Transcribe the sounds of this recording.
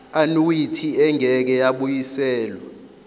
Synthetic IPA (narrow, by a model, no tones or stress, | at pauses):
anuwitʰiɛŋɛk̬ɛjaɓujisɛːlwɛ